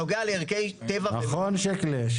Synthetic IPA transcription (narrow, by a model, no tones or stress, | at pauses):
oɡealeiʁkejt̪evanaχonʃekleʃ